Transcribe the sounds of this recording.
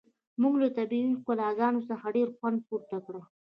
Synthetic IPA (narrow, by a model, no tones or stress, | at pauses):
muɡlat̪abiikalɑzɑnosəxaɖeɾxwand̪̚puɾt̪akɽə